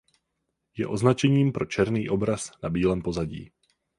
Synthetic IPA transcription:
jɛ̰ʔo̞znat͡ʃɛɲiːmpɾo̞t͡ʃɛɾniːʔo̞bɾasnabiːlɛːmpo̞zaɟḭː

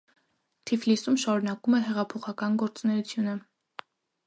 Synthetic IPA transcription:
t̪ʰiflisumʃɑɾunɑkumɛɦɛʁɑpʰɔχɑkɑnɡɔɾt͡snɛut͡sʰjunə

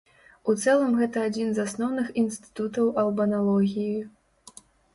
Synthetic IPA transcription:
ut̪sɛlˠɐmɣɛt̪ɐad͡zʲinzasnɔwnɨxinst̪ɨ̥t̪ut̪ɐwʔɐlˠbɐnalˠɔɣʲiji

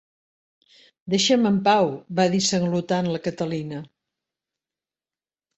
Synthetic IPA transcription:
d̪eʃəməmpawbaðisəŋɡlut̪anləkət̪əlinə

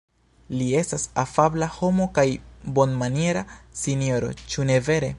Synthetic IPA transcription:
lie̞stasafablaho̞mo̞kajbo̞nmanie̞ɾasinio̞ɾo̞̰t͡ʃune̞ve̞ɾe̞

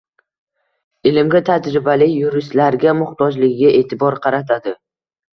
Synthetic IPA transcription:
ɪlɪmɡʲat̪ʰad͡ʒɾɪbalɪjʊɾɪst̪laɾɡʲamʊχt̪ɒd͡ʒlɪɡʲɡʲaʔe̞ːt̪ʰɪbɒɾqʰɑɾat̪ʰad̪ɪ

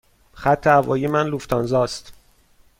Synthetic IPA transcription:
χæt̪ʰːeævɒ̰ːjiemænluft̪ʰɒnzɒːst̪

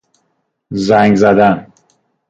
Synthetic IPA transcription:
zæŋɡzæd̪æn

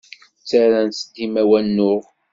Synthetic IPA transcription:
t͡sːaɾænsəd̪imæwænːʊʁ

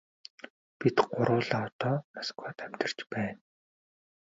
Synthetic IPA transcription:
pit̪ɢʊɾʊːɮaːɔt̪ɔːmaskwaːt̪æm̥t̪ə̆r̥t͡ɕpæːn

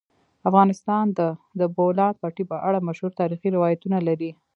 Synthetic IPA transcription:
afɣɑnɪst̪ɑnd̪əd̪əbolɑd̪̚pɑʈipəʔaɽamaʃhuɾt̪ɑɾixiɾɪwɑjat̪unalaɾi

